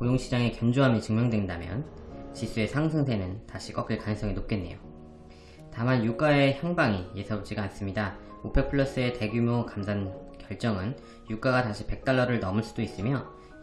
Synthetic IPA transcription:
kojoŋɕʰid͡ʑaŋe̞kjʌnd͡ʑoɦamjʌt͡ɕɯŋmjʌŋdwe̞ndamjʌnt͡ɕisʰue̞sʰaŋsʰɯŋs̬ʰe̞nɯntaɕʰik͈ʌk͈iɭkanɯŋs͈ʰʌŋinop̚k͈enːejo̰ | tamanjuk͈ae̞çjaŋbaŋijesʰʌp̚d͡ʑ͈iɡaːns͈ɯmɲida | opʰe̞pʰɯɭːʌs͈ɯe̞te̞ɡjumjokamsʰankjʌɭt͡ɕ͈ʌŋɯn | juk͈aɡataɕʰipe̞k̚t͈aɭːʌɾɯɭnʌmɯɭs͈ud̥ois͈ɯmjʌ

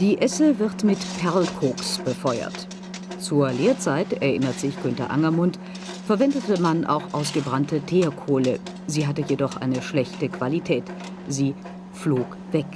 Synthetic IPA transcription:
d̥iːʔɛsəvɪʁtmɪtpʰɛɐlkʰoːksb̥əfɔʏɐ̰t | t͡suːɐleːɐt͡saɪtɛɐʔɪnɐtz̥ɪçɡ̥ʏntɐ̰ʔa̰ŋɐmʊnt | fɛɐvɛndətəmanʔa̰ʊxʔaʊsɡ̥əbʁantətʰeːɐkʰoːlə̰ | ziːɦatəjedɔχʔa̰ɪnəʃlɛçtəkv̥alitʰɛːt | ziː | floːk | v̥ɛk

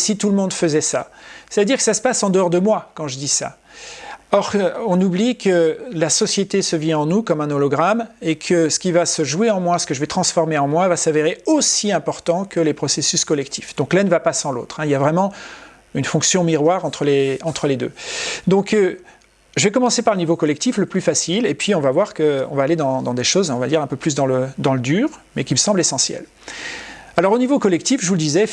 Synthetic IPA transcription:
sit̪uləmɔ̃d̪fəzɛsa̰sɛt̪d̪iʁkə̥sasə̥pasɑ̃d̪əɔʁd̪əmwakɑ̃ʒəd̪isa̰ | ɔʁɔ̃nublikəlasɔsjet̪esəvjɛ̃ɑ̃nukɔmɛ̃nɔlɔɡʁamekʰəsə̥kʲivasəʒweɑ̃mwasə̥kəʒəvɛt̪χɑ̃sfɔʁmeɑ̃mwavasaveʁeosiɛ̃pɔʁt̪ɑ̃kəlepχɔsesyskɔlɛk̚t̪ʰi̥fd̪̥ɔ̃klɛ̃nəvapasɑ̃lo̰t̪χɛ̃iljavʁɛmɑ̃ | ynfɔ̃ksjɔ̃miʁwaʁɑ̃t̪χəleɑ̃t̪χəled̪ø̰d̪ɔ̃k | ʒəvɛkɔmɑ̃sepaʁlənivokɔlɛk̚t̪ifləplyfasilepɥiɔ̃vavwaʁkəɔ̰̃vaːled̪ɑ̃d̪ɑ̃d̪eʃozɔ̃vad̪iʁɛ̃pøplys̬d̪ɑ̃ləd̪ɑ̃ləd̪yːʁmɛkʲiməsɑ̃blesɑ̃sjɛ̰l | alɔʁonivokɔlɛk̚t̪ifʒəvuləd̪izɛ

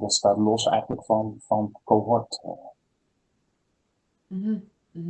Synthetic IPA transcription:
dɑtstaːtlɔsɛ̰jχənləkfɑnfɑnkoɦɔt

